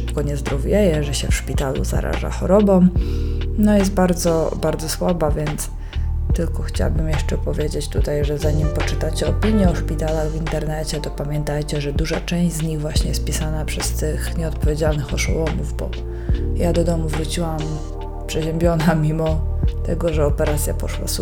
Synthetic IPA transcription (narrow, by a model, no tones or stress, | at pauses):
pkɔɲɛzd̪ɾɔvʲjɛjɛʐɛɕɛfʂpʲit̪alṵza̰ɾa̰ʐa̰xɔɾɔbɔm | nɔjɛs̬t̪̚baɾd̪zɔbaɾd̪zɔswabavʲjɛnt̪s | t̪ɘlkɔxt͡ɕa̰wabɘmjɛʂt͡ʂɛpɔvʲjed͡ʑet͡ɕt̪ut̪ajʐɛzaɲimpɔt͡ʂɘt̪at͡ɕɛɔpʲiɲjɛɔʂpʲit̪alaɣvint̪ɛɾnɛt͡ɕɛt̪ɔpamʲjɛnt̪ajt͡ɕɛʐɛd̪uʐat͡ʂɛ̃w̃ʑd͡ʑzɲiɣvwaɕɲɛjɛst̪̚pʲisanapʂɛst̪ɘxɲɛɔt̪̚pɔvʲjed͡ʑalnɘxɔʂṵwɔmuvbɔ̰ | jad̪ɔd̪ɔmuvɾut͡ɕiwam | pʂɛʑɛmbʲjɔnamʲimɔt̪ɛɡɔʐɛɔpɛɾat̪sʲjapɔʂwa̰s